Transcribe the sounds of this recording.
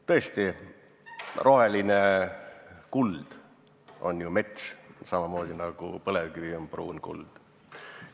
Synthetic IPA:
t̪ɤest̪i | rʔo̞ɦe̞line | kuld̪̥ | o̞̰njumet̪ʲʃsɑmɑmo̞ːd̪̥ʲinɑɡ̥upɤlevkyvionprṵːnkṵld̪̥

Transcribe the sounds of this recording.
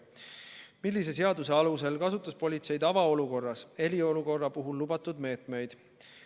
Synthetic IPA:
milːise̞se̞ɑd̪use̞ɑluse̞lkɑsut̪ːˑɑspo̞lʲit̪se̞jd̪̥ɑvɑo̞luko̞rːɑse̞lʲio̞luko̞rːɑpuɦulːubɑt̪ːˑud̪me̞ːt̪ˑme̞jd̪̥

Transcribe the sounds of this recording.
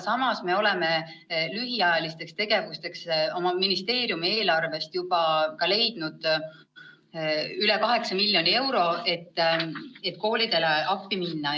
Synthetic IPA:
sɑmɑsme̞o̞le̞me̞ | lyɦiɑjɑlist̪e̞kst̪e̞ɡe̞vust̪e̞kso̞mɑminist̪e̞ːɾjumie̞ːlɑrve̞st̪jub̥ɑkɑle̞jd̪̥nud̪̥ | yle̞kɑɦe̞ksɑmilʲjo̞nie̞wɾo̞ʔe̞t̪ːet̪ːko̞ːlid̪̥e̞leɑpːˑiminːɑ

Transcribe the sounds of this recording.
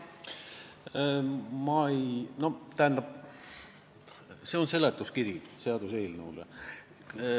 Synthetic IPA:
mɑejno̞t̪æɦænd̪̥ɑb̥̚ | se̞o̞nse̞let̪ːˑuskirjiseɑd̪̥use̞ːlneulḛ

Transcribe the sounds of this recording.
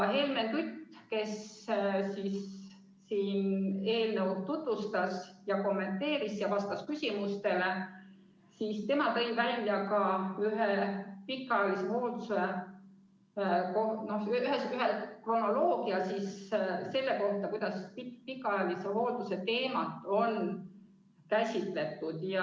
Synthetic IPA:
ɦe̞lment̪yt̪ːke̞ssisː | iːne̞ːlneu̥t̪ut̪vust̪ɑsjɑko̞mːe̞nt̪ːˑe̞ːɾisjɑvɑst̪ɑskysʲimust̪e̞le | sist̪e̞mɑt̪ɤ̞jvælʲːjɑkɑyɦepikːˑɑjɑliseho̞ːd̪use | kono̞hyɦesyɦekro̞no̞lo̞ːɡ̥iɑsisse̞lːe̞ko̞ht̪ːˑɑkujd̪̥ɑspipikːˑɑɑɑliseɦo̞ːd̪̥use̞t̪e̞ːmɑt̪ːˑo̞n | kæsʲit̪ˑle̞t̪ːˑud̪̥jɑ

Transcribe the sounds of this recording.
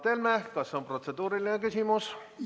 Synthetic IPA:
t̪elmæhkɑsːeomprot̪sed̪uːɾilinekysʲimus

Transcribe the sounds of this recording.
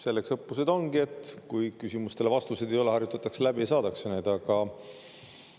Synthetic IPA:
se̞lːeksɤpːuse̞d̪̥o̞nɡie̞t̪ːˑkujkysʲimust̪e̞le̞vɑst̪use̞d̪ejo̞leɑrjut̪ːˑɑt̪ːˑɑkselæbisɑːd̪ɑksened̪̥ɑɡ̥ɑ

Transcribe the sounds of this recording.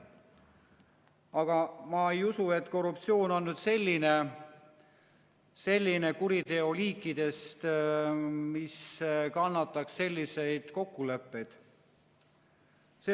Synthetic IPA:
ɑɡ̥ɑmɑejusue̞t̪ːˑko̞rupt̪sio̞ːno̞nːyːd̪se̞lʲːine | se̞lʲːine̞kuɾid̪e̞o̞liːkːˑid̪̥e̞st̪ | miskɑnːɑt̪ːˑɑksːe̞lʲːise̞jd̪̥ko̞kːule̞pːe̞jd̪̥ | se

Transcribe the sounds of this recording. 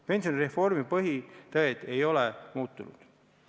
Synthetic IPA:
pe̞nsioniɾefo̞rmipɤɦit̪ɤet̪e̞jo̞lemuːt̪ːˑunṵd̪̥

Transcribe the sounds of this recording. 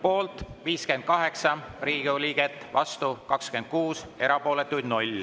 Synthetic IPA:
po̞ːlt̪ˑviːske̞nd̪̥̚kɑɦe̞ksɑriːɡiolʲiːɡ̥et̪ːˑvɑst̪ukɑkskyend̪̥̚kuːse̞ɾɑpo̞ːle̞t̪ːˑujd̪nulʲ

